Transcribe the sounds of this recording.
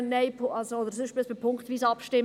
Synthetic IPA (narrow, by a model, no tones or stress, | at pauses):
nnːɛɪpʰɑlsooːd̪əɾsɪʃb̥ɪsfepʰʊŋktviːsɑpʃtɪm